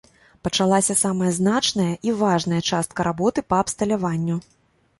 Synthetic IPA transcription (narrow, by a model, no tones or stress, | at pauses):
pɐt͡ʂalˠasʲɐsamɐjɐznat͡ʂnɐjɐʔivaʐnɐjɐt͡ʂast̪̚kɐɾabɔt̪ɨpɐːpst̪ɐlʲavanʲːu